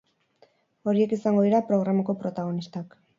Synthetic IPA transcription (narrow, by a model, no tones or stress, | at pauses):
o̞ɾie̞kisaŋɡo̞ðiɾapɾo̞ɣɾamako̞pɾo̞t̪aɣ̞o̞nist̪ak